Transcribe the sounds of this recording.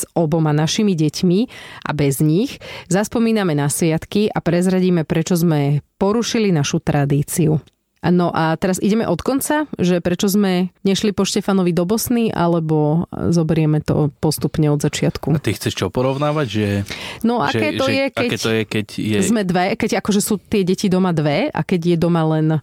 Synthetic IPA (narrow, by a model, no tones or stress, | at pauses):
z̥ɔbɔmanaʃimiɟɛcmiʔa̰bɛzɲixzaspɔmiːnamɛnasʋɪat̪kiʔapɾɛzɾaɟiːmɛpɾɛt͡ʃɔzmɛpɔɾuʃilinaʃut̪ɾʔad̪iːt͡siu | nɔʔat̪ɛɾazḭɟɛmɛ̰ʔɔt̪kɔnt͡saʒɛpɾɛt͡ʃɔzmɛɲɛʃlipɔʃcɛfanɔʋid̪ɔbɔsniʔa̰lɛbɔzɔbɛɾɪɛmɛt̪ɔ̰pɔst̪upɲɛɔd̪zat͡ʃɪat̪kuat̪ixt͡sɛʃt͡ʃɔpɔɾɔʊnaːʋaɟʒɛnɔʔa̰kɛːt̪ɔjɛkɛɛɔjɛkɛɟjɛzzmɛd̪ʋɛkɛɟakɔʒɛsuːt̪ɪɛɟɛcid̪ɔmad̪ʋɛa̰kɛɟjɛd̪ɔmalɛn